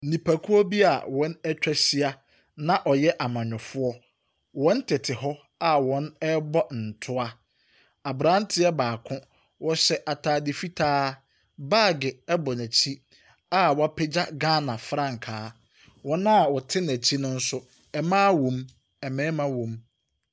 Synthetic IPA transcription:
n̩˨nĩ˨pʰæ˨kʰu˦ɔ˦bi˦a̰˨wɔ̃˨˦nɛ˦t͡ɕᶣɛ˦si˦a˦ | nã˦ʔɔ˨jɛ˦ʔa˨mã˨ɲᶣɔ˨fʊ˦ɔ˦ | wɔ̃˦n̩˦tʰɪ˨tʰɪ˨ɦɔ˦ | a˦wɔ̃˨˦nɛ˦bɔ˦n̩˨tʰʊ˦a˦ | a˨bɾã˦n˦tʰɪ˦ɛ˦baː˨kʰʊ̃˦ | wɔ˦ɕɛ˦ʔa˨tʰaː˨dɪ˨fi˦tʰaː˦ | baː˦˨ɡɪ˨ɛ˦bɔ˨næ˨t͡ɕʰi˦ | a˦wɔ˨˦a˦pʰɛ˦d͡ʑa˦ɡaː˦nã˨fɾã˦˨ŋ̩˨kʰaː˨˦ | wɔ̃˨nã˦˨wɔ˨tʰɪ˦næ˨t͡ɕʰi˦nʊ̃˦n̩˦sʊ˦ | ɛ˨mãː˦wõ˨m | ɛ˨mɛ̃ː˦mã˦wõ˨m

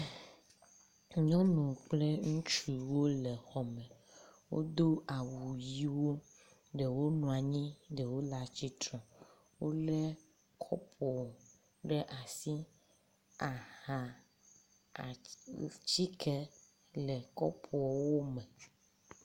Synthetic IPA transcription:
ɲɔ̃˦nũ˨k͡ple˦ŋũ˦t͡ʃu˨wo˦le˨xɔ˨mɛ̃˨ | wo̰˦d̪o˦a˨wu˨ji˦wo˦ | ɖe˨wo˦nɔ̃˨a˨ɲĩ˦ɖe˨wo˦la˨t͡ɕi˦t̪ɾɔ̃˨ | wo˦le˦ | kʰɔ̰˦pʰɔ˨ɔ˨ | ɖe˦ʔa˨si˦ | a˨hã˨ | t͡ɕi˦kʰɛ˦ | lɛ˨kɔ˦pʰɔ˨ɔ˨wo˦mɛ˨

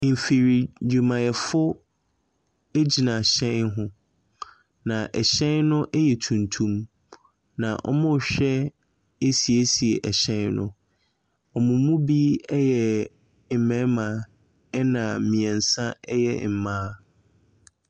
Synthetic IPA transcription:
m̩˨fi˨ɾi˨d͡ʑᶣu˨mã˨jɛ˨fʊ˦ | e˦d͡ʑi˨nã˨ɕɛ̃˦nɦʊ̃˨ | nã˨ʔɛ˨ɕɛ̃˦nnʊ̃˦ʔɛ˦jɛ˨tʰũ˨ntʰũ˦m | nã˨ʔɔ̰˦mʊ̃˦˨ɕᶣɛ˦ | e˦si˨e˦si˨e˨ʔɛ˨ɕɛ̃˦nnʊ̰̃˦ | ɔ˨mʊ̃˨˦mũ˦bi˦ɛ˦jɛ˨ | m̩˨mɛ̃˦mã˨ | ɛ˦nã˨mĩ˨ɛ̃˨n̩˨sã˦ɛ˦jɛ̰˨m̩˨mãː˦

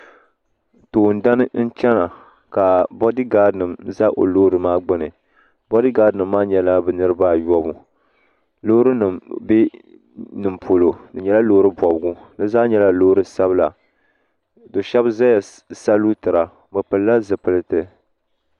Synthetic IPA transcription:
toː˨n̩˨da˦nɨ˦n̩˦t͡ʃɛ˦na˨ | ka˨bɔ˦dɨ˦ɡa˦dnɨ˨mza˦ʔo̰˨loː˦ɾɨ˨maː˦ɡ͡bɨ˦nɨ˨ | bɔ˦dɨ˦ɡaː˦dnɨ˨mːaː˦ɲɛ˦la˦bɛ˨nɨ˦ɾɨ˦ba˦jɔ˦bu˨ | lo˦ɾɨ˦nɨ˨mbe˦ | nɨ˨mpʰo˨lo˨nɨ˨ɲɛ˦la˦lo˦ɾɨ˦bɔ˨bɡu˦nɨ˦zaː˦ɲɛ˦la˦loː˦ɾɨ˦sa˦βɨ˦la˨ | do˨ʃɛ˦bza˦ja˨ | sa˦lu˦tɨ˨ɾa˨ | bɨ˨pɨ˨lla˦zɨ˨pɨ˨lɨ˦tɨ˨

